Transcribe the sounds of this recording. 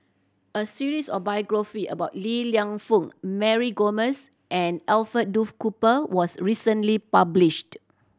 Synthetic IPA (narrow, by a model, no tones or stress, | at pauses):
ʔəsiɹisɔfbajɡɹafiʔə̰baʊt̚liliãŋfũŋmɛɹiɡoməs | ʔɛ̃nɛlfət̚dufkupəwɔsɹisə̃nlipabliʃt